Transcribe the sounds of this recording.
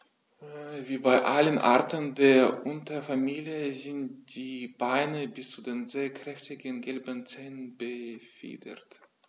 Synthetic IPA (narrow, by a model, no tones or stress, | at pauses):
viːbaɪʔalənʔa̰ɐtəndeːɐʔʊntɐfamiːljəzɪntd̥iːbaɪnəbɪst͡sudeːnzeːɐkʁ̥ɛftɪɡənɡɛlbənt͡sɛːnənbəfḭːdɐ̰t